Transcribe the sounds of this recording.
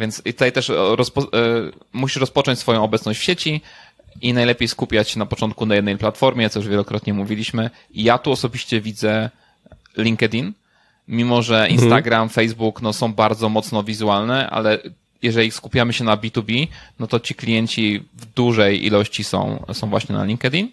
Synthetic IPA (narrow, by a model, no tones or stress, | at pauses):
vʲjɛnsit̪ut̪ajt̪ɛʂɾɔspɔ | muɕiʂɾɔspɔt͡ʂɔ̃ɲt͡ɕʲsfɔjɔ̃w̃ɔbɛt̪snɔ̃ɕt͡ɕfɕet͡ɕi | inajlɛpʲjejskupʲjat͡ɕɕɛnapɔt͡ʂɔnt̪̚kunajɛd̪nɛjplat̪fɔɾmʲjɛt̪ɔjuʐvʲjɛlɔkɾɔt̪ɲɛmuvʲilʲiɕmɘ | ijat̪uɔsɔbʲiɕt͡ɕɛvʲid̪zɛ | lʲiŋkɛd̪ʲin | mʲimɔʐɛinst̪aɡɾamfɛjzbuknɔsɔ̃w̃baɾd̪zɔmɔt̪snɔvʲizualnɛʔa̰lɛ | jɛʐɛlʲiskupʲjamɘɕɛnabʲit̪ubʲinɔt̪ɔt͡ɕiklʲijɛɲt͡ɕivd̪uʐɛjʔḭlɔɕt͡ɕisɔ̰̃w̃sɔ̃w̃vwa̰ɕɲɛna̰lʲiŋkɛd̪ʲin